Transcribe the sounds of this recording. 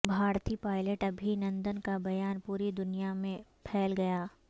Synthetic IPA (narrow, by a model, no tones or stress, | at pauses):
bʱaːɾt̪ipaːɪləʈɐbʱinɐ̃nd̪ənkabɐjaːnpuːɾid̪ʊnijamẽpʰɛːlɡɐjaː